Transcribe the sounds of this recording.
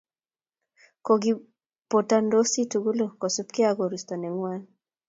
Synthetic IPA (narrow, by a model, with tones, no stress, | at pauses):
ko˨ɡi | po˨ta˨ndo˦si˦tu˨ɡu˦lu˦kɔ˨su˦pkɪ˦aɡo˨ɾi˨stɔ˨nɛ˨ŋwa˦n